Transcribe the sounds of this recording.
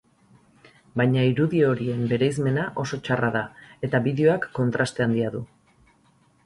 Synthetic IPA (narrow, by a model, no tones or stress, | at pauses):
bajɲaiɾuðio̞ɾie̞mbe̞ɾejzme̞naʔo̞so̞t͡ʃaraðae̞t̪aβiðeo̞akːo̞nt̪ɾast̪e̞and̪iaðu